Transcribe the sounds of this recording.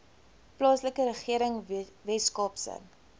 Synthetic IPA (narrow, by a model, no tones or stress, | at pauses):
plɑːsləkəɾəχiəɾəŋvɛskɑːpsə̰ŋ